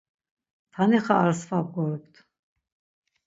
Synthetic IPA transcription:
t̪ʰaniχaːɾsfab̚ɡɔɾɛpt̪ʰ

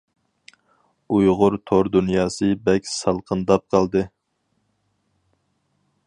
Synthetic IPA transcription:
ujʁʊɾt̪ʰoɾd̪unjɑːsɨbɛkʲsɑlˠqʰənd̪ɑp̚qʰɑlˠd̪ɨ

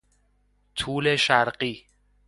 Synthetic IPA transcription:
t̪ʰuːleʃæɾɢiː

